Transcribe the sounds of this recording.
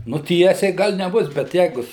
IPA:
nʊ ˈtʲiɛsʲɛɪ ˈɡɐlʲ nʲɛˈbʊs bʲɛt ˈjɛɪɡʊ

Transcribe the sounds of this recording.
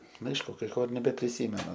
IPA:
ˈnʊ ˈɐɪʃkʊ kɐɪ ˈkoː ɪr nʲɛbʲɛpʲrʲɪˈsʲiːmʲɛnʊ

